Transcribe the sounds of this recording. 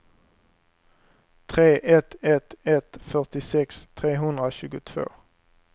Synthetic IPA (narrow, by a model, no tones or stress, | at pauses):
t̪ʰʁeːʔɛt̪ʰɛt̪ɛt̪fœʁt̪ɪsɛkst̪ʰʁeːɦʉnʁəʃʉːɡət̪ʰʋo̰ː